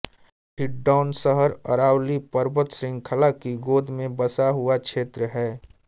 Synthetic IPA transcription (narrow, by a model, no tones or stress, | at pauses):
ʈʰɪʈɖaːnsəɦəɾə̰ɾaːwlipəɾbət̪sɾɪ̃ŋɡkʰəlakiɡoːd̪ʱmẽbəsaɦuakʃʰeːt̪ɾəɦɛː